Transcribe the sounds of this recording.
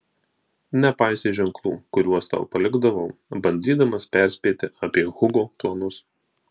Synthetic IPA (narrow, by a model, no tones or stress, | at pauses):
nʲɛpɑɪsʲeːʒʲɛŋklˠṵːkʊɾʲuɔst̪ɐ̰ʊpɐlʲɪɡd̪ɐʋɐʊbɐnʲd̪ʲiːd̪ɐmɐspʲɛˑɾʲsʲpʲeːt̪ʲɪɐpʲiɛɣʊɡoːplˠɐnʊs